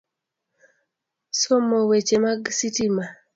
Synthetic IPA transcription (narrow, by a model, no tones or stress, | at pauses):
somɔwet͡ʃemaɡsitima